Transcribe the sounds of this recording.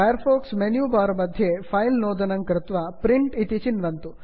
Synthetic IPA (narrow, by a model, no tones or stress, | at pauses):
ɐjɐɾpʰoːksmenjuːbaːɾmɐd̪ʱjepʰɐjlnoːd̪ɐnɐŋkɾɪt̪ʋɐpɾiɳʈit̪it͡ʃinʋɐnt̪u